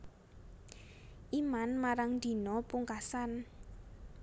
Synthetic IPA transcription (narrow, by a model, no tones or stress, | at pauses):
ʔimanmaɾaŋd̪̥i̤nɔpuŋkasan